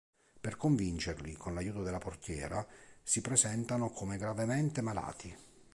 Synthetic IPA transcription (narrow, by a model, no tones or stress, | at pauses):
perkoɱvint͡ʃerlikʰonlajuːt̪od̪elːaport̪jɛ̰ːɾasipɾezɛnt̪anokʰomeɡɾavement̪emala̰ːt̪i